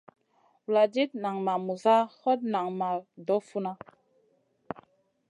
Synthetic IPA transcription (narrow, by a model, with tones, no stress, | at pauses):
wu˨la˨d͡ʒi˦t̚na˨ŋma˨mu˨za˦hɔ˦t̚na˨ŋma˨dɔ˨˦fu˦na˦